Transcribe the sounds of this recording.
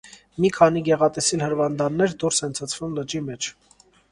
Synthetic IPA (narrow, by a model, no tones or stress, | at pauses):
mikʰɑniɡɛʁɑt̪ɛsilhəɾvɑnd̪ɑnːɛɾd̪uɾsɛnt͡sʰət͡sʰvumlət͡ʃimɛt͡ʃʰ